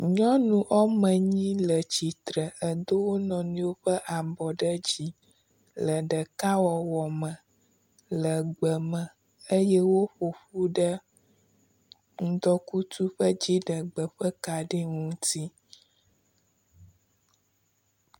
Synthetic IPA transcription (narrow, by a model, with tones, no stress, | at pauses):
ɲɔ̃˦nũ˨ʔɔ˦mə̃˨ɲĩ˦lə˨t͡ɕi˨t̪ɾə˨ə˨d̪o˦wo˦nɔ̃˨nĩ˦wo˦ɸə˦ʔa˨bɔ˨ɖə˦d͡ʑi˦ | lə˨ɖə˨ka˦wɔ˨wɔ˨mə̃˨ | lə˨ɡ͡bə˨mə̃˨ | ə˦jɛ˦wo˦ɸo˨ɸu˦ɖə˦ | ŋ̩˦d̪ɔ˦ku˦t̪u˦ɸə˦d͡ʑi˦ɖə˨ɡ͡bə˨ɸə˦ka˨ɖi˦ŋũ˦t̪i˦